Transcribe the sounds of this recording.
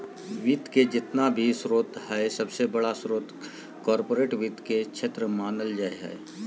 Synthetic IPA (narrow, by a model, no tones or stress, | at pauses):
ʋiːt̪ked͡ʒɪt̪nabʱisɾoːt̪ɦɛsɐbsebɐɽasɾoːt̪ | kɔːɾpoːɾeːʈʋit̪ket͡ʃʰet̪ɾəmaːnəld͡ʒaeɦɛ̰e